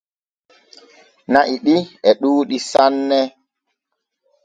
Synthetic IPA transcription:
naʔiɗiɛɗuːɗisanːɛ

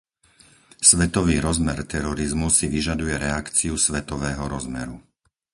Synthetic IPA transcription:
sʋɛt̪ɔʋiːɾɔzmɛɾt̪ɛɾɔɾizmusiʋiʒad̪ujɛɾɛakt͡siusʋɛt̪ɔʋɛːɦɔɾɔzmɛ̰ɾu

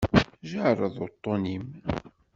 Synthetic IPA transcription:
ʒəʕrˤəðˤʊt̪ˤːonim

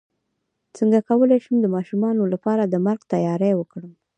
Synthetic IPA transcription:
t͡səŋɡakawəlejʃumd̪əmɑʃumɑnolapɑɾad̪əmaɾɡt̪ajɑɾawəkɽəm

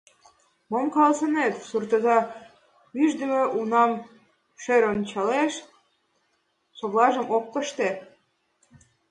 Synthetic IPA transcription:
momkɑlsə̆net̪surt̪ə̆zɑ | yʒd̪ə̆mĕʔunɑm | ʃeɾont͡ɕɑleʃ | soβlɑʒə̆mok̚ːəʃt̪e

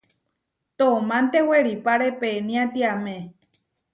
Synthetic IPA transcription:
t̪omãnt̪eweɾipaɾepeːnĩãt̪iamẽ

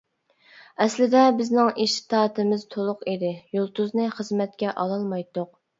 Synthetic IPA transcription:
ɛslɪd̪ɛbɪznɪŋʔeʃt̪ɑːt̪ɨmɪz̥t̪ʰolˠʊqed̪ɪjolˠt̪uznɨχəzmɛt̪̚kʲɛʔɑlˠɑlˠmɑjt̪ʊq̚

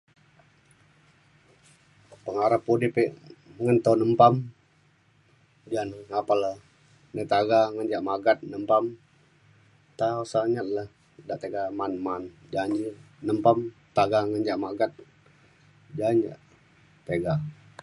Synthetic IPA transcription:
pəŋaɾapːudipeʔŋənt̪onəmpam | d͡ʒanapalə | nət̪aɡaŋəɲd͡ʒaʔmaɡat̪̚nəmpam | t̪ausaɲat̪̚lah | daʔt̪eɡamanman | d͡ʒaɲd͡ʒi | nəmpamt̪aɡaŋənd͡ʒaʔmaɡat̪̚ | d͡ʒaɲd͡ʒa̰ʔ | t̪eɡa

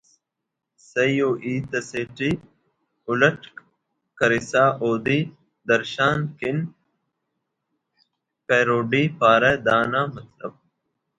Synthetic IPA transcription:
sejjoːʔiːt̪ɐseːʈiː | ʊlɐʈ | kɐɾɪsaːʔoːd̪iː | d̪ɐɾʃaːnkɪn | peːɾoːɖiːpaːɾeːd̪aːnaːmɐt̪ləb̚

